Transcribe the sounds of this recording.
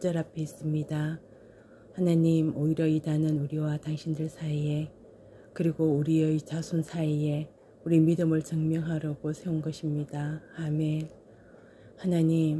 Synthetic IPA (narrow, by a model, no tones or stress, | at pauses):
t͡ɕ͈ʌɾapʰeis͈ɯmɲida | hanaɲimoiɾjʌidanɯnuɾiwataŋɕʰindɯɭsʰaie̞ | kɯɾiɡouɾiet͡ɕasʰunsʰaie̞ | uɾimidɯmɯɭt͡ɕʌŋmjʌŋɦaɾjʌɡosʰe̞onɡʌɕʰimɲidaːme̞ | hanaɲim